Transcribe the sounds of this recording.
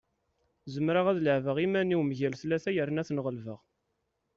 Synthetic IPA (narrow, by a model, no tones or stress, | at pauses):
zəmɾaʁæðləʕvəʁimæniwmʝælθlːæθæjəɾnæθnʁəlvəʁ